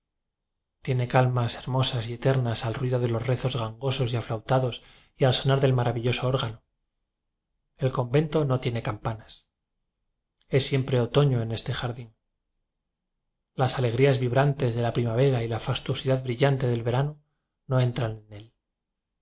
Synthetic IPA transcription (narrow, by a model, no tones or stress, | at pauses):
t̪je̞ne̞kalmase̞ɾmo̞sasie̞t̪e̞ɾnasalrwiðo̞ð̞e̞lo̞zre̞θo̞zɣaŋɡo̞so̞siaflawt̪aðo̞s | ialso̞naɾðe̞lmaɾaβiʎo̞so̞oɾɣano | elko̞mbe̞nt̪o̞no̞t̪je̞ne̞kampanas | e̞sːje̞mpɾe̞ot̪o̞ɲo̞ene̞st̪e̞xaɾðin | lasale̞ɣɾiazβiβɾant̪e̞zðe̞lapɾimaβ̞e̞ɾailafast̪uo̞siðaðβɾiʝant̪e̞ðe̞lβe̞ɾano | no̞ẽ̞nt̪ɾanene̞l